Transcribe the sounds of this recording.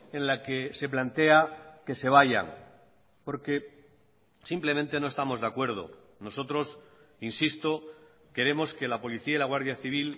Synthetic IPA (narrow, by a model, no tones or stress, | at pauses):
e̞nlake̞se̞p̬lant̪e̞ake̞se̞β̞aʝa̰ŋ | po̞ɾke̞ | simple̞mẽnt̪e̞no̞est̪amo̞zðakwe̞ɾð̞o̰ | no̞so̞t̪ɾo̞sinsist̪o̞ | ke̞ɾe̞mo̞ske̞lapo̞liθiailaɣwaɾðjaθiβ̞il